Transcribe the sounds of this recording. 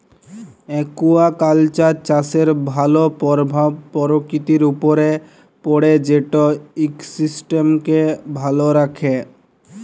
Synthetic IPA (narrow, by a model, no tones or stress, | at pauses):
ekuakalt͡ɕaɾt͡ɕaseɾbʱalopɾbʱapɔɾokɾit̪iɾupoɾe | poɽed͡ʑeʈoiksisʈemkebʱaloɾakʰe